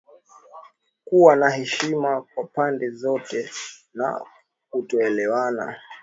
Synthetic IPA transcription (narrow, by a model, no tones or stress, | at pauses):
kuwanahɛʃimakwapandɛzɔtɛna̰ | kutɔɛlɛwana̰